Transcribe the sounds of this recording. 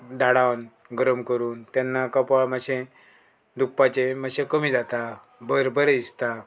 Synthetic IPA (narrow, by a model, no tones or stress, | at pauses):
d̪aɽawn | ɡɾəmkəɾuːnt̪janːakəpaɭmaɕẽ | d̪uk̚pat͡ɕeməɕẽkəmiːd͡zat̪a | bəɾbəɾist̪a